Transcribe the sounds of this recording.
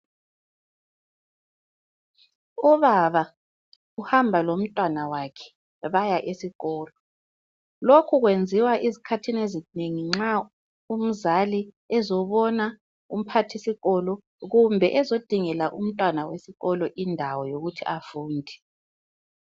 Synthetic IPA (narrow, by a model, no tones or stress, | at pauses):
uβaβa | uhambʱalom̩tʼwanawakʰɛ̥ | βajaʔesiɣɔːlɔ | lokʰuɣwend͡zʱiwaʔizikʰatʰinezineŋiŋ͡ǁa | um̩zali | ɛzɔβɔna | um̩pʰatʰisiɣɔlɔ | ɣumbʱɛʔɛzod̥ʱiŋɛlaʔum̩tʼwanawesiɣɔlɔʔindʱawɔjoɣutʰiafuːndʱɛ